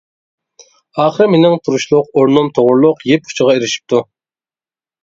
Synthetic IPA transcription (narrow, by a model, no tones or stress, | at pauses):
ɑːχəɾmenɪŋt̪ʰuɾuʃlˠʊqoɾnomt̪ʰoʁʊɾlˠʊqjep̚u̥t͡ʃʰəʁɑeɾɪʃi̥p̚t̪ʰu